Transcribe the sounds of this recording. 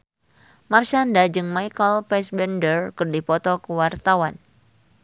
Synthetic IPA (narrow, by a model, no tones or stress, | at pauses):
mart͡ʃandad͡ʒɨŋmajkəlpɛsbɛndərkɨrdipɔt̪ɔkəwart̪awan